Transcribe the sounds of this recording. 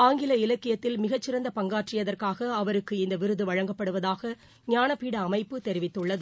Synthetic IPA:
aːŋɡɪlɐɪlɐkːɪjɐt̪ːɪlmɪɣɐt͡ʃːɪɾɐnd̪ɐpɐŋɡaːʈrɪjɐðɐrkaːɣɐːʋɐɾɯkːɯɪnd̪ɐʋɪɾɯðɯʋɐɻɐŋɡɐpːɐɽɯʋɐðaːɣɐ | ɲaːnɐpːiːɽɐːmɐɪpːɯt̪ɛɾɪʋɪt̪ːɯɭːɐðɯ

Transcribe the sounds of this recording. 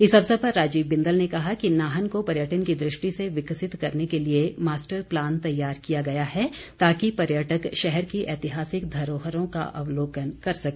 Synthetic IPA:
ɪsɐbsɐpɐɾːaːd͡ʒiːʋbɪ̃nd̪əlnekɐɦakinaːɦənkopɐɾjəʈənkid̪ɾɪʃʈiseʋɪksɪt̪kɐɾnekeliemaːsʈəɾplaːnt̪ɐjːaːɾkijaɡɐjaɦɛ | t̪aːkipɐɾjəʈəkʃɛɦɛɾkiʔɛːt̪ɪɦaːsɪkd̪ʱɐɾoːɦəɾõka̰ʔɐ̰ʋloːkənkɐɾsɐkː

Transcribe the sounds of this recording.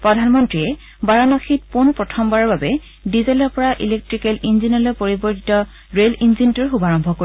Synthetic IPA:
pɹɔdʱanmɔntɹiɛ | baɹɔnɔxʰit̚punpɹɔtʰɔmbaɹɔɹbabɛ | dizelɔɹpɔɹaʔḭlek̚tɹikɛlinzinɔlɔpoɹibɔɹtʰi̥tɔ | ɹelinzintuɹxubaɹɔmbʱɔkoi

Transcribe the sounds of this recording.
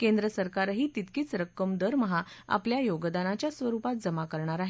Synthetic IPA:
kẽnd̪ɾəsəɾkaɾɦiːt̪it̪kiːt͡sɾəkːəmd̪əɾməɦaa̰pljajoɡd̪anat͡ɕjasʋəɾupat̪̚d͡zəmakəɾɳ̃aɾaɦe

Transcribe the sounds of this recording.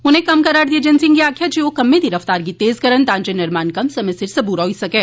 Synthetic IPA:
ʊnɦẽkɐmkɐɾaːɾd̪ied͡ʒɪnsɪ̃ŋɡkiaːkʰjat͡ʃʰiokɐmːẽd̪iɾɐft̪aːɾkit̪eːzkɐɾənt̪ãːnd͡ʒenɪɾmaːnkɐmsɐmɪsɪɾsɐbuːɾɦoisɐkẽː

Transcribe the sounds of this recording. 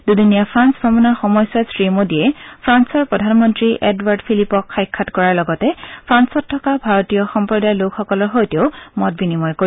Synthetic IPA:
dudinijapʰɹansbʱɔmɔnɔɹxɔmɔjsasɹimodiɛpʰɹansɔɹpɹɔdʱanmɔntɹiʔɛdwaɹdpʰilipɔkxajkʰːatkɔɹaɹlɔɡɔtɛpʰɹansɔtʰːɔkabʱaɹɔtijɔxɔmpɹɔdajlokxɔkɔlɔɹxojteoʊmɔt̚binimɔjko

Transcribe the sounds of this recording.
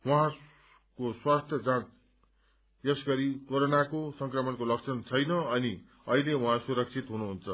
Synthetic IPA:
wʌɦã | koswast̪ʰjʌd͡zãt͡s | jʌsɡʌɾikoɾonakosʌŋkrʌmʌnkolʌk̚t͡sʰʌnt͡sʰʌjnʌʌni | ʌɦilewuɦãsuɾʌk̚t͡sʰit̪ɦunuɦunt͡sʰʌ

